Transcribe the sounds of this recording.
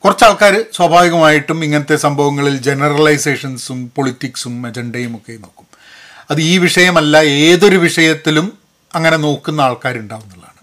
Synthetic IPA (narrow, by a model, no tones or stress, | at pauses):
kurɐt͡ɕːaːɭkaːɾɨswɐbʱaːʋiɣɐmaːjiʈːumiŋːɐnɐt̪ːe̞sɐmbʱɐʋɐŋːɐɭild͡ʑe̞nɐrɐɭɐjse̞ːʂɐnsumpo̞ɭitːiksumed͡ʑeɳɖɐjumo̞kːe̞no̞ːkːu̥m | ɐðɨiːʋiʂɐjɐmɐlːɐe̞ːðo̞ɾuʋiʂɐjɐt̪ːilum | ɐŋːɐne̞no̞ːkːunːɐaːɭkaːɾuɳɖaːʋunːɐlːa̰ːɳɨ